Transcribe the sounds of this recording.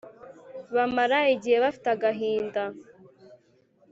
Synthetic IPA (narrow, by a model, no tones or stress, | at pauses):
βamaɾaiɟiheβafi̥t̪aɡaɦiːnda